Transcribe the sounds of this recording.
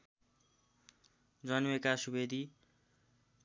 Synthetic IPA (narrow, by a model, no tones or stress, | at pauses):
d͡zʌnwekasubed̪ʱi